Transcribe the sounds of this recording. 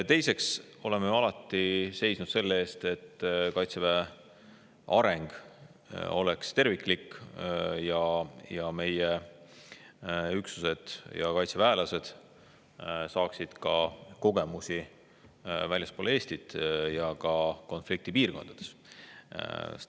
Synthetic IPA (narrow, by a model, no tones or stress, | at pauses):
t̪e̞jse̞ks | o̞lemejɑlɑt̪ːˑise̞jsnud̪̥se̞lːee̞ːst̪e̞t̪ːkɑjt̪sevæ | ʔɑɾe̞ŋɡ̥ | o̞̰le̞kst̪e̞rvikˑlik | jɑjɑme̞je | yksu̥se̞d̪̥jɑ̰kɑjt̪sevæelɑse̞d̪̥ | sɑːksid̪̥kɑko̞ɡe̞musʲi | vælʲjɑspoːleːst̪id̪̥jɑkɑko̞nflik̚t̪ipiːrko̞̰nd̪̥ɑd̪̥e̞̥s